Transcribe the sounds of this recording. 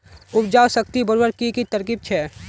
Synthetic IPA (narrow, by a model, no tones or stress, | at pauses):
ʊpd͡ʒaːwsəkt̪ibəɾbəɾkikit̪ɐɾkiːb̚t͡ʃʰɛ